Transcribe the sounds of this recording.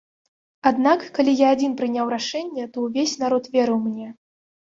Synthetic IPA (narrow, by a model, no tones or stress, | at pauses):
ad̪nakːalʲijaːd͡zʲinpɾɨnʲawɾaʂɛnʲːɛt̪ɔwvʲesʲnaɾɔt̪vʲeɛɾɨwmnʲɛ